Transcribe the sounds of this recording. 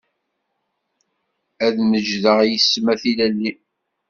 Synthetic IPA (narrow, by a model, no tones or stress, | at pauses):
æðməd͡ʒðəʁjəsːmæθilælːi